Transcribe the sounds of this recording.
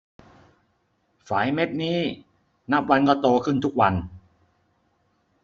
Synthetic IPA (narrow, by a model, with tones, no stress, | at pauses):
faː˩˦jme˦˥t̪̚niː˦˥ | na˦˥p̚wa˧nkɔː˥˩t̪oː˧kʰɯ˥˩nt̪ʰu˦˥k̚wa˧n